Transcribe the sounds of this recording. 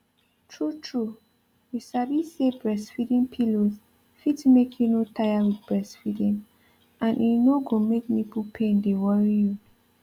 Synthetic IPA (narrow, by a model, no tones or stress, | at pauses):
tʰɹutʰɹu | jusabisebɹɛsfidĩmpʰiloz | fitmekʰjunotʰajawidbɹɛsfidĩn | ʔãnʔinoɡõmek̚nipupʰẽndewɔɹiju